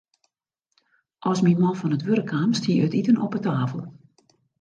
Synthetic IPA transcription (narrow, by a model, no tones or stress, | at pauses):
ʔɔsminmɔfɔnətʋøɾəkʰamstʰiəətitənʔɔpətaːfəlˠ